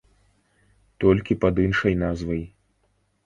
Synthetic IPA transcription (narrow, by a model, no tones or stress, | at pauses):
t̪ɔlʲkʲipɐd̪ɨnʂɐjnazvɐj